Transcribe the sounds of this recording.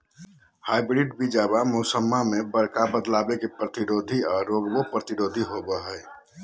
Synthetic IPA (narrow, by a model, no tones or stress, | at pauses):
haːɪbɾiɖbid͡ʒaːbamosəmːamẽbəɾkabəd̪laːbekepɾət̪iɾoːd̪ʱiɔːɾːoːɡbopɾət̪iɾoːd̪ʱiɦobəɦɛɛ